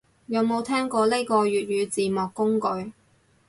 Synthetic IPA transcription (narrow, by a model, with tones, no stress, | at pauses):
jɐ˨˧wmo˨˧wt̪ʰɛː˥ŋkɔː˧le˥jkɔː˧ɥyː˨t̚jyː˨˧t͡siː˨mɔː˨kːʊ˥ŋkɵ˨˧ɥ